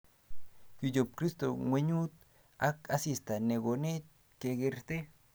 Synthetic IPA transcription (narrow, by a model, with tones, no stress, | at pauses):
ju˨d͡ʒo˨p̚kɾi˦st̪o˨ŋwe˧ɲu˦t̪̚ | a˦ka˦si˨st̪a˨ne˨ɡo˨ne˦ | ke˨ɡe˧ɾt̪e˦